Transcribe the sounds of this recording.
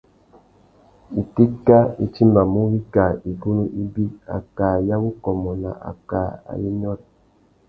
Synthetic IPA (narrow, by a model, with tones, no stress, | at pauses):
i˨ti˦ka˦i˨t͡ʃi˦ma˨mu˦wi˦ka˨i˨bu˦nu˦ʔi˦bi˦a̰˨ka˨ja˦bu˦kɔ˨mɔ˨na̰˨ʔa̰˨ka˨a̰˨ji˦ɲ˦ɔ˦t̚